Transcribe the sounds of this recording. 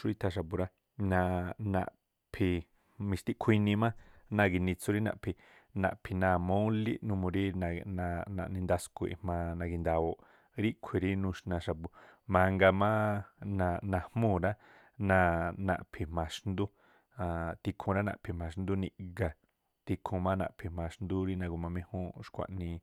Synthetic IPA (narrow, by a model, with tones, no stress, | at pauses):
ʃu˧i˧t̪ʰa˧ʃ̬a˧pu˧ɾa˦ | nã˧nã̰˧˨ʔ | pʰi˧ | mĩ˧ʃt̪i˦ʔkʰi˧nĩ˧mã˦nã˧ɡi˧nĩ˧t͡su˧ɾi˦nã̰˧˨pʰi˧ | nã̰˧ʔpʰi˧nã˧˨mõ˦li˦nũ˧mũ˧ɾi˦˧nã˧nã̰˧ʔnĩ˧nd̪a˧sku˧ḭ˨mã˧nã˧ɡi˧nd̪a˧o˧ʔ | ɾi˦kʷʰi˧ɾi˦nũ˧ʃnã˧ʃa˧˨bu˧mã˧ŋɡa˧mã˦nã˧nã˧hmũ˦˨ɾa˦ | nã˧nã̰˧˨ʔpʰi˧mã˧ʃnd̪u˦ | ã˧t̪i˧kʰũ˧ɾa˦nã̰˧ʔpʰi˧mã˧ʃnd̪u˦nĩ˧ʔɡa˨ | t̪i˧kʰũ˧mã˦nã̰˧ʔpʰi˧mã˧ʃnd̪u˦ɾi˦nã˧ɡu˧˨mã˧mẽ˧hũ˦ʃkʷa̰˧˨ʔnĩ˧